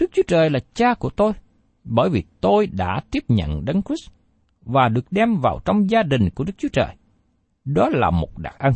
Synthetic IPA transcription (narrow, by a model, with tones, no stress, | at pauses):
ɗɨ˦˥k̚t͡ɕu˨˦ət͡ɕəː˨˩jlaː˨˩t͡ɕaː˧ku˧˩ət̪o˧j | ɓəː˧˩jvi˨˩t̪o˧jɗa̰ː˧˥t̪i˦˥əp̚ɲə̰˧˨nɗə˨˦nkwi˦˥s | vaː˨˩ɗɨ˨˩ək̚ɗɛ˧mvaː˨˩wt͡ɕɔ˧wŋ͡mzaː˧ɗï˨˩ŋ̟ku˧˩əɗɨ˦˥k̚t͡ɕu˨˦ət͡ɕə̰ː˨˩j | ɗɔ˨˦laː˨˩mo˨˩t̚ɗa̰ː˨˩k̚ʔə˧n